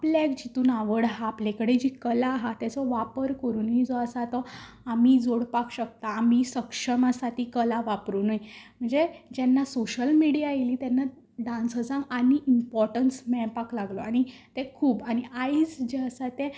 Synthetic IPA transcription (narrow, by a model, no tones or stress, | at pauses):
apljaekd͡ʑit̪uːnaʋəɽɦaːplekəɽed͡ʑikəlaɦat̪jat͡sɔʋapəɾkəɾuːnid͡zɔəsat̪ɔ | amid͡zoɽpakɕək̚t̪aːmisəkʂəmasat̪ikəlaʋapɾuːnimm̤əɳd͡zed͡ʑɛnːasoɕəlmiɽijajeliːt̪anːa | ɖãnsəd͡zãɡaniʔimpɔɾʈənsmɛɭpaklaɡlɔaɽ̃it̪ekʰuːbaɽ̃iaid͡zd͡ʑeəsat̪ẽ